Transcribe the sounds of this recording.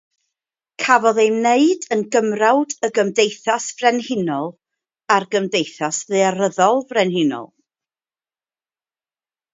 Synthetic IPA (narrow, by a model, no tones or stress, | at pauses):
kʰavɔðejmneɨdənɡəmrawdəɡəmdejθasv̥rɛnhɪnɔlˠ | arɡəmdejθasðɨaɾəðɔlˠvrɛnhɪnɔ̰lˠ